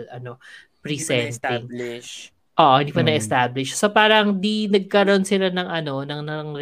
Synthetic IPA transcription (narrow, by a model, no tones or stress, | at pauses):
lɐno | pɾisɛnt̪ɪŋ | ʔoːʔoɪnd̪iːpɐnɐʔɛst̪ablɪʃsopaːɾɐŋd̪inɐɡ̚kɐɾo̞nsɪlanɐŋʔɐno̞nɐŋnɐŋɾ